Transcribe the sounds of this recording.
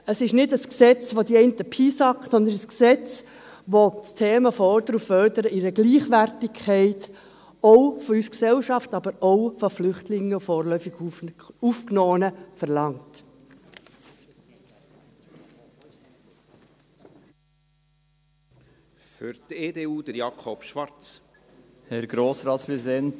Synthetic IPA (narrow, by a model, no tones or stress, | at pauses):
əsɪʃnɪdəsksɛt͡sʋod̪iɛɪntəpʰiːsɑksɔnd̪ənəsksɛt͡s | ʋot͡stʰeːməfɔɾd̥̪əɾuffœrd̥əɾəʔɪɾəɡliːχʋærtɪkʰχɛɪt | ɔʊfɔysksɛwʃɑftɑbəɾowfɔflʏχtlɪŋːəfoːɾlœʏfɪɡ̥ufknoːənəfɛɾlɑŋt | fʏɾteːdeːuːd̥əɾjɑkʰɔpʃʋɑɾt͡s | hɛɾɡɾoːsɾɑːtspɛɛn